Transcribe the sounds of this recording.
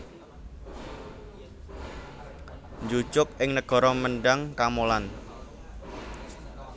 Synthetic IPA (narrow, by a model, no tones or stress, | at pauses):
ɲd͡ʒut͡ʃʊk̚ɪŋnəɡ̥ɔ̤ɾɔməɳɖaŋkamolan